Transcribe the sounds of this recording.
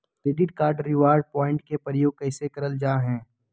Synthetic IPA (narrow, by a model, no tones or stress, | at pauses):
kɾeːɖɪʈkaːɾɖɾɪʋaːɾɖ̚pɔːɪ̃ɳʈ̚kepɾəjoːɡ̚kɛːɪsekɐɾəld͡ʒaːɦɛ̃ː